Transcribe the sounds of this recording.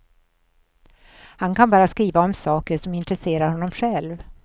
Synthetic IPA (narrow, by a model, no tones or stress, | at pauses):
hankʰanbɑːɾaskɾiːvaɔmsɑːkəɾʂɔmɪnt̪ɾɛseːɾaɾhɔnːɔmɧɛlv